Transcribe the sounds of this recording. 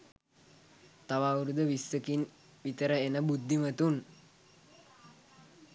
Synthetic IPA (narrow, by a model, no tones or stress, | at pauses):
t̪aʋawɾud̪əʋisːəkin | ʋit̪əɾəenəbud̪ʱːimət̪un